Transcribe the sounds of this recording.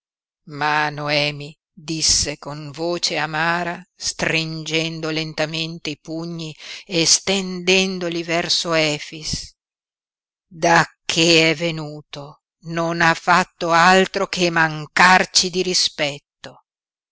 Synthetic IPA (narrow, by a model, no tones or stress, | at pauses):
manoɛːmi | d̪isːekoɱvoːt͡ʃeamaːɾast̪ɾind͡ʒɛnd̪olent̪ament̪eipuɲːiest̪end̪ɛnd̪olivɛrsoɛːfis | d̪akʰːeɛvenuːt̪o | nonafːat̪ːoalt̪ɾokemaŋkart͡ʃid̪iɾispɛt̪ːo